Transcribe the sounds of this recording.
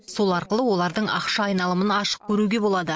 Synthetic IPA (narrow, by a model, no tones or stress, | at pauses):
so̞lˠɑɾqəlˠəwo̞lˠɑɾd̪əɴɑ̰qʃɑːjnɑlˠəmənɑʃə̥p̚kʲʰɵɾuɡʲe̞bo̞lˠɑd̪ə